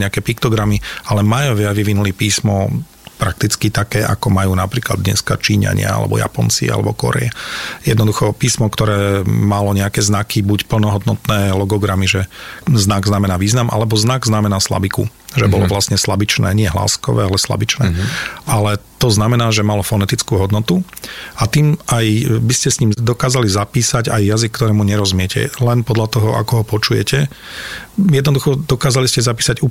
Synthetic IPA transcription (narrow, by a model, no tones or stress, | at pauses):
ɲɛakɛːpikt̪ɔɡɾamialɛmajɔʋɪaʋiʋinulipiːsmɔ | pɾak̚t̪it͡skit̪akɛːʔa̰kɔmajuːnapɾiːkla̰d̪ːɲɛ̰skat͡ʃiːɲa̰ɲɪa̰a̰lɛ̰bɔ̰ja̰pɔnt͡sḭa̰lɛ̰bɔkɔ̰ɾɛ̰jɛjɛd̪nɔd̪uxɔpiːsmɔkt̪ɔɾɛːmalɔɲɛakɛznakʰibucpl̩nɔɦɔd̪nɔt̪nɛːlɔɡɔɡɾamiʒɛznaɡznamɛnaːʋiːznamʔa̰lɛbɔznaɡznamɛnaːsla̰bikṵʒɛbɔlɔ̰ʋlasɲɛslabit͡ʃnɛ̰ːɲɪɛɦla̰ːskɔ̰ʋɛ̰ːalɛsla̰bit͡ʃnɛ̰ːʔalɛt̪ɔznamɛnaːʒɛmalɔfɔnɛt̪it͡skuːɦɔd̪nɔt̪uat̪iːmʔajbiscɛsɲiːmd̪ɔkaːzalizapiːsaɟajːazik̚ːt̪ɔɾɛːmuɲɛɾɔzmɪɛcɛ̰lɛnpɔd̪ʎat̪ɔɦɔʔa̰kɔɦɔpɔt͡ʃujɛ̰cʰɛ | jɛd̪nɔd̪uxɔd̪ɔkaːzaliscɛzapiːsaɟu